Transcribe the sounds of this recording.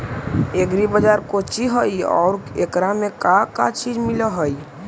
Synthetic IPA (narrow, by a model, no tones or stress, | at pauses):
eɡɾibəd͡ʒaɾkot͡ʃiɦəiɔ̰ːɾekɾamekaka̰t͡ʃid͡ʒmiləɦəi